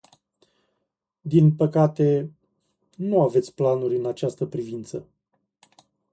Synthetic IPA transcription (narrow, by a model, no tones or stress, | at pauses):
d̪inpəkat̪e̞ | nuave̞t̪sʲplanuɾʲɨnat͡ʃast̪əpɾivint̪sə